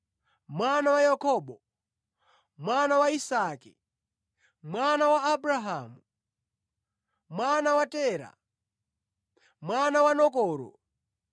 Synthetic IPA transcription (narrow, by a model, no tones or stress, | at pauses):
mwanawajakʰɔːɓɔ | mwanawaisaki | mwanawaːbɾaɦaːmu | mwanawatɛːɾa̰ | mwanawanɔkɔːɾɔ̰